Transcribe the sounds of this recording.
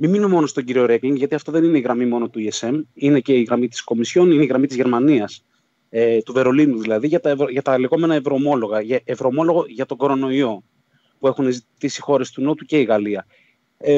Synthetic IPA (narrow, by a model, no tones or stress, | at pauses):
mimino̞mo̞no̞st̪o̞ɲɟiɾio̞ɾe̞kliŋɡʝɐt̪iɐft̪o̞ðe̞nine̞iɣɾɐmimo̞no̞t̪uie̞se̞mine̞ce̞iɣɾɐmit̪i̥sko̞misço̞nineiɣɾɐmit̪izʝe̞ɾmɐniɐs | et̪uve̞ɾo̞linuðilɐðiʝɐt̪ɐevɾoʝɐt̪ɐliɣo̞me̞nɐevɾo̞mo̞lo̞ɣɐʝɐevɾo̞mo̞lo̞ɣo̞ʝɐt̪o̞ɡo̞ɾo̞no̞io̞ | pue̞xune̞zit̪isi̥xo̞ɾe̞st̪uno̞t̪uce̞iɣɐliɐ | e